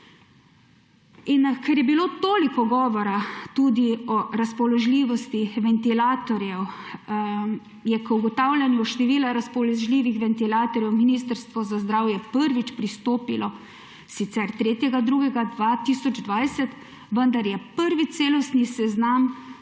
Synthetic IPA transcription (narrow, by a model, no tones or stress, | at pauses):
inkʰɛɾjɛbiloːt̪oːlikɔɡɔːʋɔɾat̪ud̪iɔɾaspɔlɔʒliːʋɔst̪iʋɛnt̪ilaːt̪ɔɾjɛw | jɛkuɡɔt̪aːwlʲjanjuʃt̪ɛʋiːlaɾaspɔlɔʒliːʋixʋɛnt̪ilaːt̪ɔɾjɛwminiːst̪əɾst̪ʋɔzazd̪ɾaːwjɛpəɾʋit͡ʃpɾist̪oːpilɔ | sit̪sɛɾt̪ɾeːt̪jɛɡad̪ɾuːɡɛɡad̪ʋat̪isɔd͡ʒd̪ʋajsɛt̪ | ʋənd̪aɾjɛpəɾʋit̪seːlɔst̪nisɛznam